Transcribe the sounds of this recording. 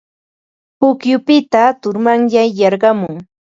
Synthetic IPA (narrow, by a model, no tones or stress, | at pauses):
pʊkjʊpɪt̪at̪ʊɾmaŋjajjɑɾɢɑmʊŋ